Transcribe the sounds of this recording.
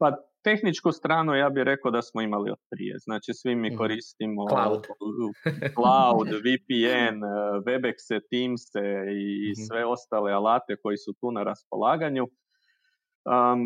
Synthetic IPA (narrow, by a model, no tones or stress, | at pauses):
pat̪e̞xnit͡ʃkust̪ɾaːnujaːbiɾʔe̞kod̪asmoimalḭo̰t̪̚pɾḭjḛznaːt͡ʃisʋimːiko̞ɾist̪imo̞ | klaud̪ʋipienʋe̞bekset̪iːmseisʋe̞o̞st̪aːlealaːt̪e̞ko̞jisut̪uːnaɾaspo̞̰lˠaːɡaɲu | ə